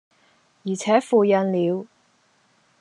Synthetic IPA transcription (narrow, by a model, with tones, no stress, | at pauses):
jiː˨˩t͡sʰɛː˨˥fuː˧jɐ˨˧nliː˨˧w